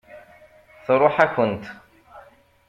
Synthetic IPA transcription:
θɨɾˤʊħakʷʊnt̪

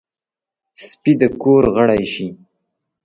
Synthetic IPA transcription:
spid̪əkoːɾɣəɽajʃi

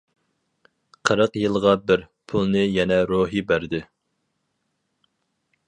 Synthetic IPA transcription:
qʰəɾəqjɨlˠʁɑbɪɾ | pʰulˠnɨjɛnɛɾoɦibæɾd̪ɪ

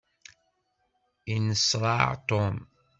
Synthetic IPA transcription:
inəsɾˤɑ̰ʕt̪om

